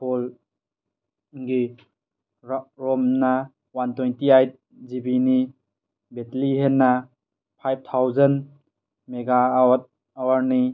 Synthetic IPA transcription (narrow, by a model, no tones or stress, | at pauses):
pʰol | ɡi | ɾɔmna | wantojntiajt̚ | zibini | betliɦenːa | pʰajb̚tʰawzən | meɡawt̚ | awaɾni